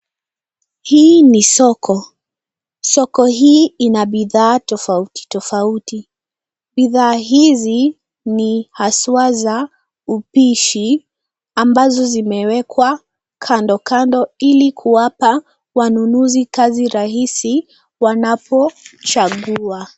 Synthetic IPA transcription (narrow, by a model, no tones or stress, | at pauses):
hiːnisɔkʰɔ | sɔkɔɦiːinaɓiðaːtɔfauti̥tɔfauti | ɓiðaːɦizi | nihasuaza | upiʃi | ambazɔzimɛwɛkʰwa | kʰandɔkandɔilikʰuwapa | wanunuzikaziɾaɦisi | wanapɔt͡ʃaɠua